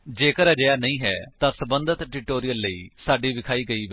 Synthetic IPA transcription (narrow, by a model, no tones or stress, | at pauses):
d͡ʒeːkəɾəd͡ʒəjaːnəĩːɦɛ̰ːt̪ãːsəbənd̪ət̪ʈɪʈoːɾijəlːəiːsaːɖiːʋɪkʰaːiːɡəiːʋe